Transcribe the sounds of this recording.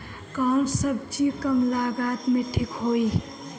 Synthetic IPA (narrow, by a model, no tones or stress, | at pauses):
kansəbt͡ʃikəmlaɡaːt̪mẽʈʰikɦoːi